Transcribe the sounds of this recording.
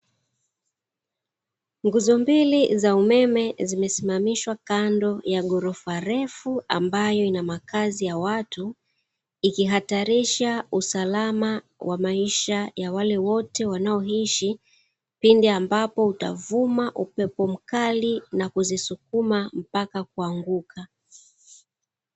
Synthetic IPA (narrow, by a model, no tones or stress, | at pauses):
ŋɡuzɔmbilizaumɛmɛzimɛsimamiʃwakandɔjaɠɔɾɔfaɾɛfua̰mbajɔinamakazijawatu | ikiɦataɾiʃausalama | wʔamaiʃajawalɛwɔtɛwanaɔɦiʃi | pindɛambapɔuta̰vumaʔupɛpɔm̩kalinakuzisukumam̩pakak̚uaŋɡukʰa